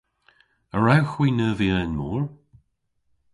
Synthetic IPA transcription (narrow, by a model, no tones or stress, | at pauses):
əɹawxwiːnəːviənmuːɹ